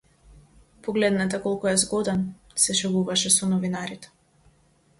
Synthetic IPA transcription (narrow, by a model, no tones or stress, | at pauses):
pɔɡlɛd̪nɛt̪ɛkɔlˠkuɛzɡɔd̪ɛn | sɛʃɛvuvaʃɛsɔnɔvinaɾit̪ɛ̥